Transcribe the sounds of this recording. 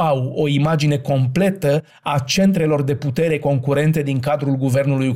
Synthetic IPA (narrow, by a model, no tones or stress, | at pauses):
awo̞imad͡ʒine̞ko̞mple̞t̪ə | at͡ʃe̞nt̪ɾe̞lo̞rd̪e̞put̪e̞ɾe̞ko̞ŋkuɾe̞nt̪e̞d̪iŋkad̪ɾulɡuve̞rnuluj